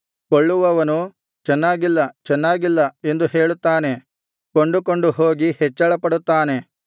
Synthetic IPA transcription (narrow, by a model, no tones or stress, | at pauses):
koɭːuʋɐʋɐnu | t͡ʃɛnːaːɡilːɐt͡ʃɛnːaːɡilːɐe̞nd̪uhe̞ːɭut̪ːaːne̞ | koɳɖukoɳɖuɦoːɡihɛt͡ʃːɐɭɐpɐɽut̪ːaːne̞